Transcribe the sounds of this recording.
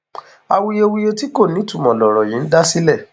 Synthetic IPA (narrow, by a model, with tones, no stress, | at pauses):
a˨wi˧je˧wi˧jo˧ti˦ko˦˨nĩ˨˦tu˦˨mɔ̃˨lɔ˨ɾɔ˨jĩ˨˦n̩˦da˦si˦lɛ˦˨